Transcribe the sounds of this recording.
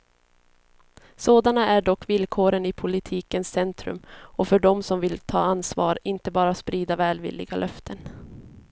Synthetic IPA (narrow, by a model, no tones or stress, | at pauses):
soːd̪anaæɖɔkːvɪlkʰoːɾənɪpʰʊlɪt̪ʰiːkənsɛnt̪ɾɵ̰mɔfœɖɔmsɔmvɪlt̪ʰɑ̰ːansvɑ̰ːɾɪnt̪əbɑːɾaspɾiːd̪avɛːlvɪ̰lːɪ̰ɡalʔœft̪ʰən